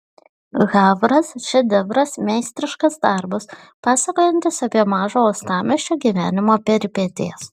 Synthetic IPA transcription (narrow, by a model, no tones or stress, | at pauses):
ɣɑːʋɾɐsʃʲɛd̪ʲɛʋɾɐsmʲɛɪsʲt̪ʲɾʲɪʃkɐsd̪ɑˑɾbɐs | pɑːsɐkoːjɛnʲt̪ʲɪsɐpʲiɛmɑːʒoːɔst̪ɑːmʲɛʃʲt͡ʃʲoːɡʲiːʋʲæːnʲɪmoːpʲɛɾʲpʲɛt̪ʲeːs